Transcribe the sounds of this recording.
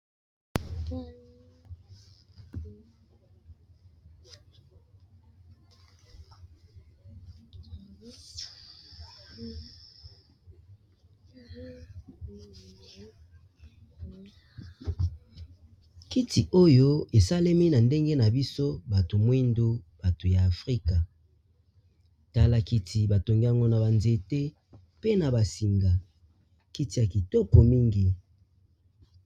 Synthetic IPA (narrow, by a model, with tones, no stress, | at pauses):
ki˦tʰi˨ʔo˦jo˦e˨sa˦le˦mi˦na˨nde˦ŋɡe˦na˨bi˦so˦ba˨to˨mwi˦ndu˦b̥a˨to˨jaː˨fʁi˦ka˨ | ta˦la˦ki˦tʰi˨ba˨to˨ŋɡi˦a˦ŋɡo˦na˨ba˨nze˨te˦ | pe˦na˨ba˨si˨ŋɡa˨ | ki˦ti˨ja˨ki˨tɔ˦ko˨mi˦ŋɡi˨